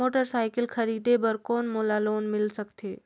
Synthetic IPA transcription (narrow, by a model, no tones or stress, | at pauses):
oʈəɾsajkɪlkʰəɾiːd̪ebəɾkɔːnmolaloːnmɪlsəkt̪eː